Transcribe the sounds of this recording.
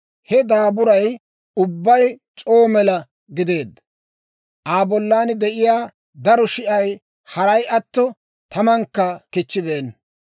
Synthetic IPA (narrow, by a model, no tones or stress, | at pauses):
hɛd̪aːbʊɾɐj | ʊbːɐjt͡ʃʼo̞ːmɛlɐ | ɡɪd̪e̞ːd̪ | ʔaːbɔlːaːnd̪ɛʔɪjaː | d̪ɐɾɔʃɪʔɐj | hɐɾɐjʔɐt̪ːɔ | t̪ɐmɐŋkːɐkɪt͡ʃːɪbeːn